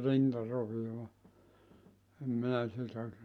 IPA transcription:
rintɑroʋioɑ em minæ sitæ

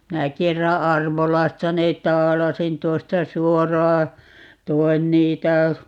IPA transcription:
minæ kerːɑ ɑrʋolɑstɑ neːt̆ tɑːlɑsin tuostɑ suorɑː toi̯n niːtæ

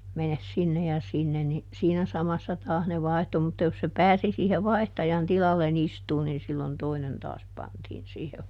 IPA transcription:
menes sinːe jɑ sinːen ni siːnæ sɑmɑsːɑ tɑːs ne ʋɑihtu mutːɑ jos se pæːsi siːhe ʋɑi̯htɑjɑn tilɑlːen istuːn nin silːon toinen tɑːs pɑntiːn siːheh

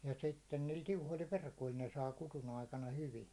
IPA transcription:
jɑ sitːen niːl tiuhoĭl ʋerkoĭl ne sɑː kutun ɑikɑnɑ hyʋi

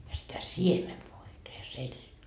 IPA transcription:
jɑ sitæ siemeʋoitɑ jɑ seltʲiː

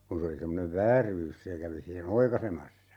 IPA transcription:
kun se oli semːoneʋ ʋæːryːs se kæʋi sihen oikɑisemɑsːɑ

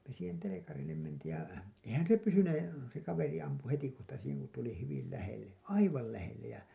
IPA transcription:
me siːhen telekɑrilːem mentiːj jɑ eihæn se pysyneː se kɑʋeri ɑmpu hetikohtɑ siːheŋ ku tuli hyʋil læhelːe ɑiʋɑl læhelːej jɑ

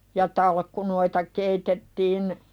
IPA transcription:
jɑ tɑlkːunoitɑ keitetːiːn

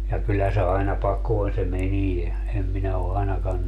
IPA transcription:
jɑ kylːæ se ɑinɑ pɑkoːn se menie em minæ o ɑinɑkɑn

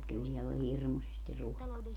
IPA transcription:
kyl siɛlː ol hirmusesti ruokɑː

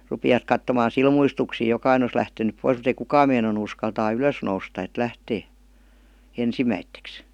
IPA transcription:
rupiʋɑt kɑtːomɑːn̞ silmuistuksiːj jokɑine os læhtenyp pois mut ei kukɑːm meinɑnu uskɑltɑː yløs noustɑ et læhteː ensimæitːeks

